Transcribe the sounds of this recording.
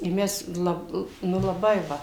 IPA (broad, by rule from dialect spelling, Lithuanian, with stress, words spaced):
ɪ ˈmʲɛs ˈlˠɐp ˈnʊ lˠɐˈbɐɪ ˈʋɐ